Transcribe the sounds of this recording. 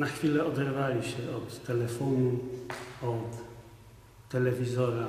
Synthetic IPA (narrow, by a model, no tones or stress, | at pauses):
naxfʲilɛɔd̪ɛɾvalʲiɕɛɔt̪ːɛlɛfɔnu | ɔt̪ː | ɛlɛvʲizɔɾa